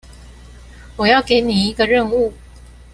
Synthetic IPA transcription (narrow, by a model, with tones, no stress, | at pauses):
wɔ˨jɑ˥˨ʊke˨˦ɪni˨˩i˦ɡə˨ɻə˥˧ŋu˥˨